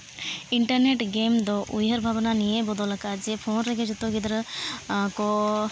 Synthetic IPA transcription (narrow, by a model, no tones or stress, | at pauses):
iɳʈɐɾneʈɡemd̪oʔujɦɐɾbʱabɐnanijebɔd̪ɔlɐkad͡ʒepʰoːnɾeɡed͡ʒut̪ːoɡid̪ɐɾ | ko